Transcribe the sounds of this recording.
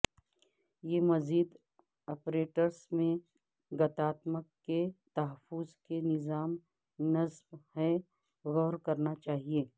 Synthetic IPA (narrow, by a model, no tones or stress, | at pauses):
jemɐziːd̪ | ɔːpɾeːʈəɾsmẽ | ɡɐt̪aːt̪məkːet̪ɐɦəfʊzkenɪzaːm | nɐzbhɛ | ɣɔːɾkɐɾnat͡ʃaːɦieː